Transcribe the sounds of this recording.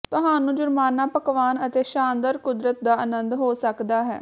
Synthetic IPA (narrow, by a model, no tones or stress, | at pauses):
t̪ʊɦaːnũːd͡ʒʊɾmaːnːãːpəkʋaːnət̪eːʃaːnd̪əɾkʊd̪ɾət̪̚d̪aːənənd̪ɦoːsəkd̪aːɦɛ̰ː